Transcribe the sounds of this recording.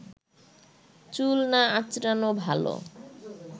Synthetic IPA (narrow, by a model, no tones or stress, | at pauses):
t͡ɕulnaat͡ɕɾanobʱalo̰